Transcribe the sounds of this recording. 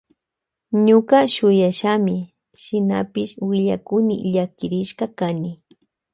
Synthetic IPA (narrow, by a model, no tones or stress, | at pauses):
ɲʊkaʃʊjaʃamɪ | ʃɪna̰pɪʃwɪʎa̰kʊnɪ̰ʎakɪɾɪʃkɑkanɪ